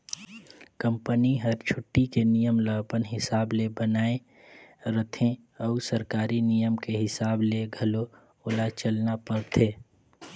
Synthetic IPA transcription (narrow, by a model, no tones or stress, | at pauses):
kə̃mpəniɦəɾt͡ʃʰʊʈːikenijəmləɡpənɦɪsaːblebənaːe | ɾət̪ʰẽ | ɔusəɾkaːɾinijəmkeɦɪsaːbleɡʱɐlo | ʊlat͡ʃəlnapəɾt̪ʰeː